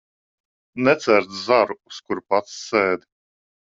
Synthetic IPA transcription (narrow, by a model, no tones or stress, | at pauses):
nɛt̪sæɾt̪zaɾuːskuɾpat̪sːɛːd̪i